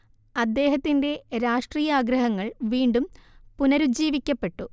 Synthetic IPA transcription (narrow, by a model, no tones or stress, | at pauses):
ɐd̪ːe̞ːɦɐt̪ːinde̞ɾaːʂʈriːjɐaːɡɾɐɦɐŋːɐɭʋiːɳɖumpunɐɾud͡ʑiːʋikʲːɐpːe̞ʈːu